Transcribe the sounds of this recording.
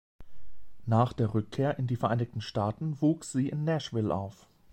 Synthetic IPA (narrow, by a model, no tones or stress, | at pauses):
naːχd̥eːɐʁʏkʰːeːɐʔɪndiːfɛɐʔaɪnɪçtn̩ʃtaːtn̩vuːksz̥iːʔɪnːɛʃv̥ɪlʔa̰ʊf